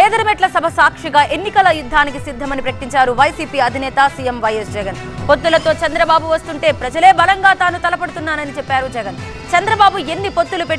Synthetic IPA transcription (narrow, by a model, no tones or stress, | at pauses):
ɛːd̪ɐɾɐmɛʈlɐsɐbʱɐsaːkʂiɡaːʔe̞nːikɐlɐjud̪ʱːaːnik̬isid̪ʱːɐmɐnipɾɐkɐʈiɲt͡ʃaːɾuʋɐjsiːpiːɐd̪ʱinɛːt̪ɐsiːjemʋɐjesd͡ʒɛɡɐn | pot̪ːulɐt̪o̞ːt͡ʃɐnd̪ɾɐbaːbuʋɐst̪uɳʈe̞ːpɾɐd͡ʒɐle̞ːbɐlɐŋɡaːt̪aːnut̪ɐlɐpɐɽut̪unːaːnɐnit͡ʃepːaːɾud͡ʒɛɡɐn | t͡ʃɐnd̪ɾɐbaːbuenːipot̪ːulupeʈː